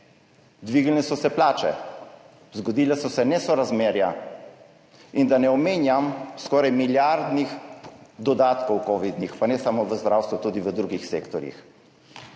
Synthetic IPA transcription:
d̪ʋiːɡlnɛsɔsɛplaːt͡ʃɛ̰ | zɡɔd̪iːlɛsɔsɛnɛsɔɾazmeːɾja̰ | ind̪anɛɔmeːnjamskɔːɾajmiljaɾd̪nixd̪ɔd̪aːt̪kɔwkɔːʋid̪nixpanɛsamoʋəzd̪ɾawst̪ʋut̪ud̪iʋəd̪ɾuɡixseːkt̪ɔɾjḭx

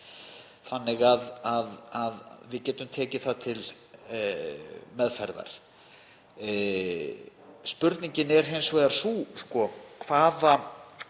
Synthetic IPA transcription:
θanːɪɣaðaðaðvɪcɛːt̪ʏmt̪ʰɛːcɪθaðt̪ʰɪl | mɛðfaɾða̰ɾ̥ | spʏɾt̪niɲcɪnɛɾ̥ɦejnsveːjðaɾ̥suskɔkʰv̥aːða

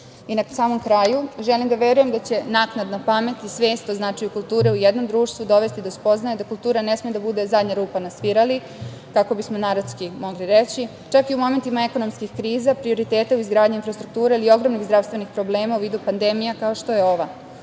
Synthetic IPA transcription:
inasaːmo̞mkɾajuʒelimd̪aʋe̞ɾuje̞md̪at͡ɕe̞naknad̪napame̞t̪isʋe̞ːst̪oznat͡ʃajukulˠt̪uːɾe̞ujed̪no̞md̪ɾuːʃt̪ʋud̪o̞ʋe̞st̪id̪ospo̞znajed̪akulˠt̪uːɾane̞smied̪abud̪e̞zad̪ɲaɾuːpanasʋiɾali | kako̞bismo̞naɾaskimo̞ɡliɾet͡ɕi | t͡ʃakiumo̞me̞nt̪imae̞ko̞no̞mskixkɾiːzapɾio̞ɾit̪eːt̪euizɡɾaːd̪ɲinfɾast̪ɾuk̚t̪uːɾeilio̞ɡɾo̞mniɣzd̪ɾaʋst̪ʋe̞nixpɾo̞ble̞ːmauʋiːd̪upand̪e̞mijakaoʃt̪o̞je̞o̞ʋa

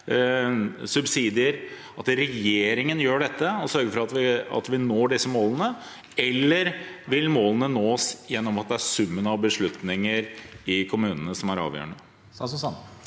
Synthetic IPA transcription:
sʉbsiːd̪ɪəɾ | ɑt̪ɾɛjeːɾɪŋənjøːɖɛt̪ːəɔsœɾɡəfɔɾɑt̪ʋɪɑ̰t̪ʋɪnoːɖɪsːəmoːlənə | ɛlːəɾʋɪlmoːlənənoːsjɛnːɔmɑt̪̚d̪ɛæɾsʉmːənɑʋbəʂɭʉt̪nɪŋəɾɪkʰʊmʉːnənəsɔmæɾɑ̰ːʋjø̰ːəɳə

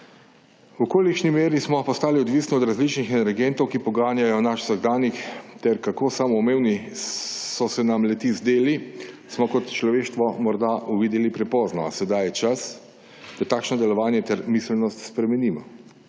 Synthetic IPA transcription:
wukoːlikʃnimeːɾismɔpɔst̪aːliɔd̪ʋisniɔd̪ɾazlit͡ʃnixɛnɛɾɡɛnt̪ɔwkipɔɡaːnjajɔnaʃsəɣd̪aːnixt̪ɛɾkakoːsamɔmeːwni | sɔsɛnamlɛt̪izd̪eːlismɔkɔt̪t͡ʃlɔʋeːʃt̪ʋɔmɔɾd̪auʋiːd̪ɛlipɾɛpɔːznaasɛd̪ajɛt͡ʃas | d̪̥at̪aːkʃnɔd̪ɛlɔʋaːnjɛt̪ɛɾmislnɔst̪spɾɛmɛniːmɔ

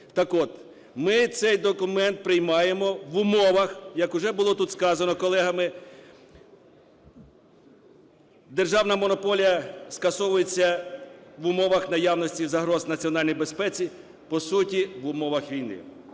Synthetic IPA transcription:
t̪ɐkɔt̪ | mɪt̪sɛjd̪ɔkʊmɛnt̪̚pɾɪjmɑjemɔʋʊmɔʋɐxjɐkʊʒɛbʊlˠɔt̪ut̪skɑzɐnɔkɔlˠɛɦɐmɪ | d̪erʒɑwnɐmɔnɔpɔlʲijɐskɐsɔʋʊjet͡sʲːɐʋʊmɔʋɐxnɐjɑwnɔsʲtʲizɐɦɾɔznɐt͡sʲiɔnɑlʲnɔjbe̞spɛt͡sʲi | pɔsutʲiʋʊmɔʋɐxʋʲijnɪ̰

